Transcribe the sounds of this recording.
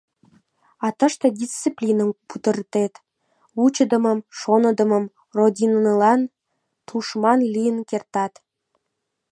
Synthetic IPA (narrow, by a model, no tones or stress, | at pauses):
ɑt̪ə̆ʃt̪ĕdʲist͡siplʲinəmput̪ə̆rt̪et̪ | wut͡ɕə̆d̪ə̆mə̆mʃonə̆d̪ə̆məm | rod̪ʲinəlɑn | t̪uʃmɑnlʲijənkert̪ɑt̪